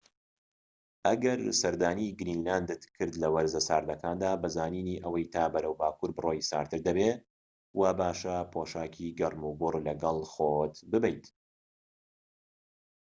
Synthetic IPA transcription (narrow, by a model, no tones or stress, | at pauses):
ʔɐɡɐɾsɐɾd̪aːniɡɾiːnlaːnd̪ɨt̪kʰɨɾd̪lɐwɐɾzɐsaːɾd̪ɐkʰaːnd̪aːbɐzaːniːniʔɐwɐjt̪ʰaːbɐɾɐwbaːkuːɾbɨrʔojsa̰ːɾt̪ʰɨɾd̪ɐbeː | wabaːʃɐpʰoːʃaːkʰiɡɐrˤmubʊrlɐɡɐlˠχot̪bɨbɛjt̪